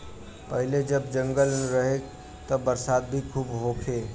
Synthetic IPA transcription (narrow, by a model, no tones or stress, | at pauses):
pəɦiled͡ʒəbd͡ʒə̃ŋɡəlnɾəɦek | t̪əbəɾsad̪̚bʱikʰuːbɦokʰe